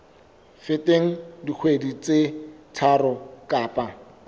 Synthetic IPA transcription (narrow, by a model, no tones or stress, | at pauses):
feteŋ̩dik͡xʰwedit͡setʰarɔkʼaːpʼa